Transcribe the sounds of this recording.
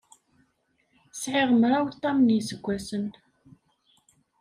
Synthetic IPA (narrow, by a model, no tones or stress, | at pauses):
sʕɪʁəmɾawt̪ˤːɑmnisəɡʷːæsən